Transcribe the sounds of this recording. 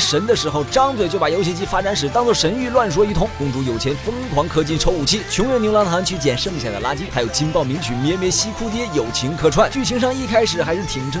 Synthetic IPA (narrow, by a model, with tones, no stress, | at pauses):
ʂə˧˥nd̪ə˧ʂɻ̩˧˥xo˥˧ʊʈ͡ʂɑ˥ŋt͡swe˨˩t͡ɕjo˥˩ʊpa˨˩jo˧˥ʊɕ̬ʰi˧˥t͡ɕi˥˩fa˥ʈ͡ʂa˧˥nʂ̬ɻ̩˨˩˦t̪ɑ˥ŋt͡swɔ˥˩ʂə˧˥ny˥˧lwa˥˩nʂ̬wɔ˥i˧˥t̪ʰʊ˧˥ŋkʊ˧˥ŋʈ͡ʂu˧˥jo˨˩ʊt͡ɕʰjɛ˧˥nfə˥ŋkʰwɑ˧˥ŋkʰɤ˥˧t͡ɕi˥˩nʈ͡ʂʰo˧˥ʊu˨˩t͡ɕʰi˥˩t͡ɕʰʊ˧˥ŋjʊ˧˥njla˧˥t̪ʰa˧˥nt͡ɕʰy˥˩t͡ɕjɛ˨˩nʂɤ˥˧ŋɕja̰˥˩d̪ə˩la˥t͡ɕi˥xʰa˥jo˨˩ʊt͡ɕʰi˥npɑ˥˩ʊmi˧˥ŋt͡ɕʰy˧˩mjɛ˧˥mjɛ˧˥ɕi˥kʰu˥t̪̬jɛ˥jo˨˩ʊt͡ɕʰi˧˥ŋkʰɤ˥˧ʈ͡ʂʰwa˥˩nt͡ɕy˥˩t͡ɕʰi˧˥ŋʂɑ˥˧ŋi˥˩kʰa˥ɪʂɻ̩˨˩xa˧˥ɪʂɻ̩˥˩t̪ʰi˨˩ŋʈ͡ʂʰɤ˥